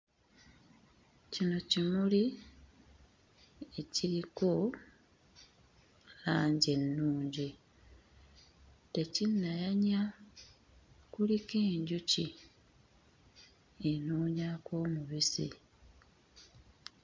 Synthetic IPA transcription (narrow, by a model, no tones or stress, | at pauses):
cino̞cimuli | e̞ciɾiko̞ | laːɲɟe̞nːuːɲɟi | te̞cinːajaɲa | kulikeːɲɟuci | enuːɲako̞ːmuβisḭ